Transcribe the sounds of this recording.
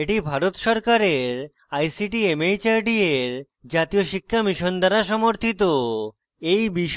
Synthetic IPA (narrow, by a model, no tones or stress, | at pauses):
eʈibʱaɾot̪ʃɔɾkaɾeɾ | ajsiʈiemejt͡ɕaɾɖieɾ | d͡ʑat̪ijoʃikʰːamiʃond̪aɾaʃɔmoɾt̪ʰit̪o | ejbiʃ